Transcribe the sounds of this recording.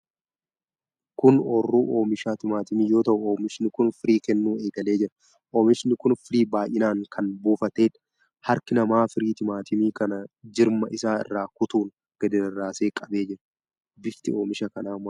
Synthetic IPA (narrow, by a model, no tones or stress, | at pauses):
kʊnɔːrːuːʔo̞ːmɪʃaːt̪ɪmaːt̪ɪmiːjo̞ːt̪ɐʔʊoːmɪʃnɪkʊnfɪɾiːkɛnːuːe̞ːɡɐle̞ːd͡ʒɪɾɐ̥ | ʔoːmɪʃnɪkʊnfɪɾiːbaːjʔɪnaːŋkʰɐnboːfɐt̪e̞ːᶑ | hɐɾkɪnɐmaːfɪɾiːt̪ɪmaːt̪ʰɪmiːkɐnɐd͡ʒɪɾmɐʔɪsaːɪ̰rːaːkʊt̪uːn | ɡ̥ɐd̪ɪd̪ɐrːaːse̞ːkʼɐbeːd͡ʒɪɾɐ̥ | bɪft̪ɪoːmɪʃɐkɐnaːm